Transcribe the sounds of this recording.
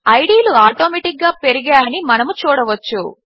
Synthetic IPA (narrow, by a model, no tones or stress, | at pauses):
ɐjɖiːluaːʈoːmeʈik̚ɡaːpe̞ɾiɡaːɐnimɐnɐmut͡ʃuːɽɐʋɐt͡ʃːṵ